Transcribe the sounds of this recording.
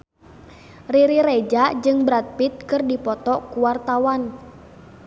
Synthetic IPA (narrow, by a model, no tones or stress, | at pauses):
riɾiɾɛd͡ʒad͡ʒɨŋbɾat̪̚pit̪̚kɨrdipɔt̪ɔkuwart̪awan